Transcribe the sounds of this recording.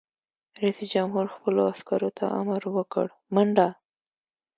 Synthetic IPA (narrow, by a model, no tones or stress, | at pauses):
ɾasid͡ʒamɦuɾxpəloaskaɾot̪ʰa̰ʔa̰maɾwəkə̰ɽ | maɳɖa